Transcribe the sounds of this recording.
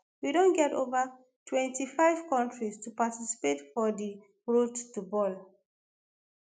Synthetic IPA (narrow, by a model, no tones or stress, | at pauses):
widõnɡɛto̰va | tʰwɛ̃ntifaɪv̥kɔ̃ntɹistupatisi̥petfɔdi | ɹodtubɔl